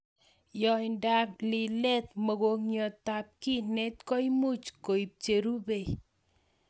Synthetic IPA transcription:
jɔ˨inda˨p̚li˨le˦t̪mɔ˨ko˨ŋɲjɔ˨t̪a˨p̚ki˦ne˦tkɔ˦jmu˦t͡ʃko˨i˨p̚t͡ʃe˨ɾu˦be˨j

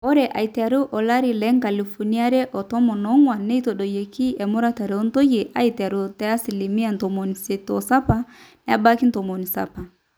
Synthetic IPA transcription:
ɔ˦ɾɛ˨ʔa̰˨i˨ta˨ɾu˦ʔɔ˨la˦ɾi˨lɛ˦ŋka˨li˨fu˨ni˦a˦ɾɛ˦ʔɔ˨tɔ˦mɔ˨nɔ˨˦ŋwa˨nɛ˦i˦tɔ˨ɗɔ˨je˨ki˦ɛ˨mɔ˦ɾa˦ta˨ɾɛ˨ɔ˦n˦to˦je˨ʔa˦i˨ta˨ɾo˨tɛ˦a˦si˨li˨mi˦a˦˨n˨tɔ˨mɔ˨ni˨se˨tɔ˨sa˦pa˨nɛ˦a̰˨ba˦ki˦n˦tɔ˨mɔ˨ni˨sa̰˨pa˨

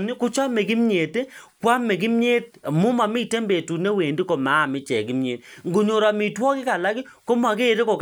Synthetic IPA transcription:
nɪ˦kʊ˦t͡ʃa˦me˨ɡɪ˦m˦ɲe˨te˦kwa˦me˨ɡɪ˦m˦ɲe˦t̚mʊ˦ma˨mɪ˦˨te˦mbe˨tu˨ne˦we˨ndi˦ko˨ma˨˦˨mɪ˦t͡ʃɛ˨ɡɪ˦mɲḛ˨tŋɡo˨ɲo˨ɾa˨mɪ˨twɔ˦kɪ˦ka˨la˦ɡɪ˦ | ko˦m˦a˨ɡeː˦˨ɾe˦kɔ˨k

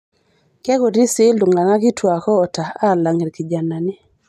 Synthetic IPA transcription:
kɛ˦ko˨di˦sɪ˦ldu˨ŋa˨ŋa˦kɪ˦twa˨kɔː˦˨ta˨a˦˨la˨ŋe˨ɾki˨d͡ʒa˨na˨nɪ˦

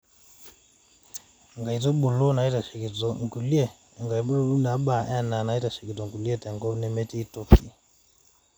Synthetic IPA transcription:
ŋɡa˨i˨tɔ˦ɓu˨lɔ˦na˨i˦ta˨ʃɛ˨ki˨tɔ˨ŋ˨ku˨li˦ɛ˦˨ | ŋɡa˨i˨bɔ˦na˨˦ɓa˨ʔɛ˦na˨na˨i˦ta˨ʃɛ˨ki˨tɔ˨ŋku˨li˦ɛ˦tɛ˨ŋɡɔ˦nɛ˨mɛ˦ti˦i˦tɔ˦fi˨

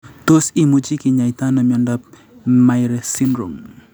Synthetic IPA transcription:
t̪o˦si˨mu˨d͡ʒi˦kɪ˨ɲa˨jt̪a˦na˨mjɔ˨ndap̚ | ma˨jɾɛsi˦nɾo̰˨ŋ

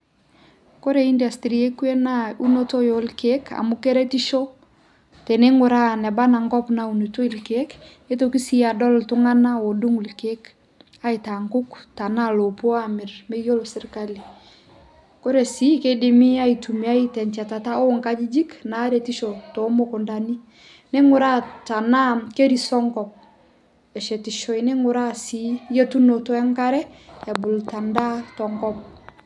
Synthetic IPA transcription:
ko˦ɾe˨i˦nda˨stɾi˨e˦kwe˦nau˦no˦to˦jo˨lke˦ka̰˨mu˦ke˦ɾɛ˦ti˦ʃɔ˦ | te˨ne˦ŋʊ˨ɾa˦nɛ˨ba˦na˨ŋɡɔ˦pna˨u˨nu˨to˦i˦˨lke˦k | e˦to˨ki˦si˦a˨dɔ˦ltʊ˦ŋa˦na˦o˨du˦ŋu˨lke˦k | a˦i˨ta˨ŋɡʊ˦kta˨na˦lo˨pɔ˦a˦mɪ˨rme˦jo˦lo˨sɪ˦rka˦li˨ | ko˦ɾe˨si˦kedemi˦a˦itu˨mi˨a˦itɛ˨ɲt͡ʃa˨ta˨ta˦o˦ŋka˦d͡ʒi˦d͡ʒi˦kna˨˦ɾeti˦ʃoto˨moku˨ndani˦ | nɛ˦ŋʊ˨ɾa˦ta˨na˦ke˦ɾi˨sɔ˦ŋkɔp̚ | ɛ˨ʃɛ˨ti˨ʃɔ˨i˨nɛ˦ŋu˨ɾa˦si˦je˦tu˦no˨tɔ˦ɛ˦ŋka˦ɾɛ˦a˨bu˨lta˨nda˦tɔ˨ŋkɔ˦p̚

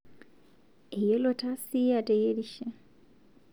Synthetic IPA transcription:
e˨je˦lo˨tʰa˦si˦ja˨tʼe˨je˦ɾi˦ʃe˦

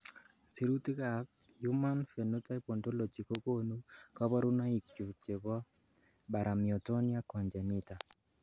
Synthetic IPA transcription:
si˨ɾu˦ti˦ka˨b | ju˦ma˦nfe˨no˦ta˦i˦po˨ndo˦lo˨t͡ʃi˨ko˦ko˦nu˦ka˦bɔ˦ɾu˦na˦i˨k̚t͡ʃu˨t͡ʃe˨bɔ˦ | ba˨ɾʔa˨mjɔ˨tɔ˦ni˦a˦kɔ˨ɲd͡ʒɛ˨ni˦ta˨

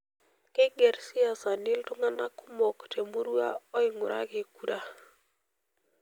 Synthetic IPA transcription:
kɪ˦ɡɛ˨ɾsɪ˦a˨sa˨nɪ˦ltʊ˦ŋa˦na˦kʊ˦mɔ˨ktʰe˨mu˦ɾu˦a˦ɔ˦ɪ˨ŋʊ̰˨ɾʔa̰˦kɪ˨ku˦ɾa˦

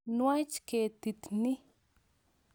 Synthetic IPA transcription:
nwat͡ʃket̪i˨t̪ni˦

